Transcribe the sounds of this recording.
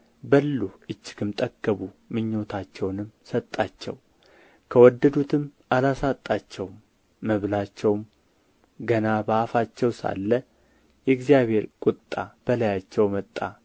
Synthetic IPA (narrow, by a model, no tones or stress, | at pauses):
bəlːuʔɨt͡ʃːɪ̥ɡɨmt̪ʼəɡəβu | mɨɲːo̞t̪ʰat͡ʃːɛwnɨmsət̪ʼːat͡ʃːɛ̰w | kʰəwɔd̪ːəd̪ut̪ʰɨmʔalasat̪ʼːat͡ʃːɛwmː | əβlat͡ʃːɛwm | ɡənabaːfat͡ʃːɛwsa̰lːə | jɛɡzijaβe̞ɾkʼʊt̪ʼːab̥əlajat͡ʃːɛwmət̪ʼːa